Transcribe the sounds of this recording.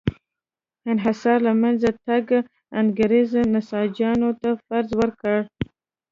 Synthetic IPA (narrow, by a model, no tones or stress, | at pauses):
ɪnɦasɑɾlamanzat̪aɡ | anɡaɾiznasɑd͡ʒjɑnot̪afaɾzwəɾkəɽ